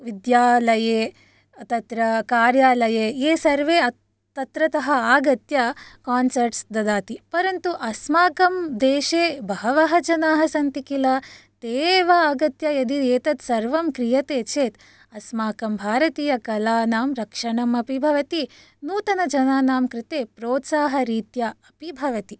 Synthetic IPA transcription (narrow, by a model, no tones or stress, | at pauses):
ʋid̪jaːlɐjeː | ɐt̪ɐt̪ɾɐkaːɾjaːlɐjeːeːsɐɾʋeːɐ | t̪ɐt̪ɾɐt̪ɐɦɐaːɡɐt̪jɐkaːnsɐɾʈsd̪ɐd̪aːt̪ipɐɾɐnt̪uʔɐsmaːkɐmd̪eːʃeːbʱɐɦɐʋɐɦɐd͡ʒɐnaːɦɐsɐnt̪ikilɐt̪eːʋɐaːɡɐt̪jɐjɐd̪ieːt̪ɐt̪sɐɾʋɐmkɾijɐt̪eːt͡ʃʰeːt̪ | ɐsmaːkɐmbʱaːɾɐt̪iːjɐkɐlaːnaːmɾɐkʂɐɳɐmɐpibʱɐʋɐt̪i | nuːt̪ɐnɐd͡ʒɐnaːnaːmkɾɪt̪eːpɾoːt̪saːɦɐɾiːt̪jɐɐpibʱɐʋɐt̪i